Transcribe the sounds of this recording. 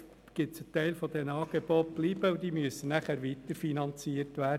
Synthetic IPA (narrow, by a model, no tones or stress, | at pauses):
ɡ̥ɪtsətɛɪlfɔd̪ɛnɑːɡ̥eb̥ɔt̚b̥liːbəud̥̪iːmyəsːənæχæɾʋit̪əɾfinɑnt͡siəɾtʋæːɾdə